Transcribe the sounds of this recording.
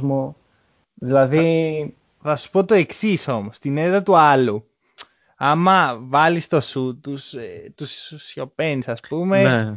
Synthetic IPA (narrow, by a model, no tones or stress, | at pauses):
zmo | ðilɐði | θɐsu̥po̞t̪o̞e̞ksiso̞most̪ineɾɐt̪uɐlu | ɐmɐvɐlist̪o̞sut̪ust̪usːço̞penisɐspumene